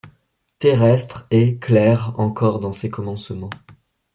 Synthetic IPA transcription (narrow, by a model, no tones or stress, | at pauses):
t̪eʁɛst̪χeklɛʁɑ̃kɔʁd̪ɑ̃sekɔmɑ̃smɑ̃